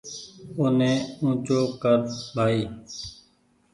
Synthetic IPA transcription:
oːnẽːũːt͡ʃoːkəɾbʱaːiː

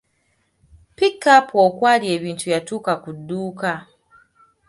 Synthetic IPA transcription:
pikːapokwalieβintujatukakuduːka

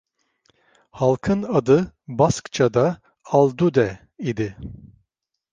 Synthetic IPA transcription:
halˠkʰɯnad̪ɯbaskt͡ʃʰad̪a | alˠd̪ud̪ɛ | id̪ɪ

